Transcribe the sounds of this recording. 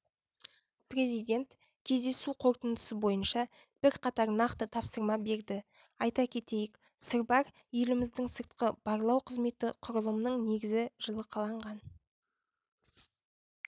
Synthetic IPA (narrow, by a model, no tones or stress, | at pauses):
pre̞zijd̪ʲe̞nt̪ | kʲʰe̞zd̪e̞suqʰo̞ɾt̪ənd̪əsəbo̞jənʃɑ | b̥ɪɾqʰɑt̪ɑɾnɑqt̪ət̪ʰɑpsəɾmɑbe̞ɾd̪ɪɑjt̪ɑkʲʰe̞t̪e̞jɪk | səɾbɑɾ | ʏlɪmɪzd̪ɪŋsəɾt̪̚qəb̥ɑɾlˠɑwqʰəzme̞t̪ɪqʰʊɾəlˠəmnəɴne̞ɡʲɪzɪʒ̥əlˠəqʰɑlˠɑɴʁɑn